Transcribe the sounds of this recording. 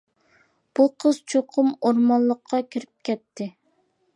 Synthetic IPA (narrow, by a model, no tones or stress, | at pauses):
b̥uqʰəz̥t͡ʃʰoqʰʊmoɾmɑnlˠːəqʰːɑkʲʰiɾyp̚kʲɛt̪ʰːɪ